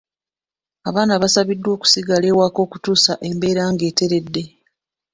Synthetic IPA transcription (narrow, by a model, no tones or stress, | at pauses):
aβaːnaβasaβidːwo̞ːku̥siɡale̞ːwaːko̞ːku̥tuːsaʔe̞mbe̞ːɾaːŋɡe̞ːte̞ɾe̞dːe̞